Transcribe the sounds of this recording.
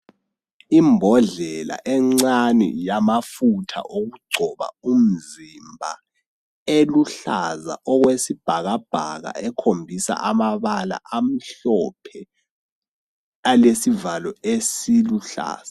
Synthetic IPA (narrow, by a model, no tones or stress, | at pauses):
imbʱɔɮɛla̰ʔɛŋ͡ǀanḭjamafutʰa̰ʔoɣuɡ͡ǀʱɔβa̰um̩zimbʱa | eluɬaza̰ʔɔɣwesib̥ʱaɣab̥ʱaɣa̰ʔɛkʰombʱisa̰ʔamaβala̰ʔam̩ɬɔpʰɛ | alesivalɔesiluɬa̰ːz̥a